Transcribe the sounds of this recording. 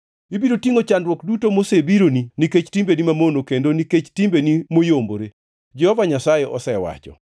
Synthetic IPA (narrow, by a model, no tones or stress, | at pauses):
ibiɾotiŋot͡ʃandɾwɔkdutomosebiɾoniniket͡ʃtimbenimamonokendoniket͡ʃtimbenimojomboɾe | d͡ʒɛhɔvaɲasajeʔɔ̰sɛwa̰t͡ʃɔ̰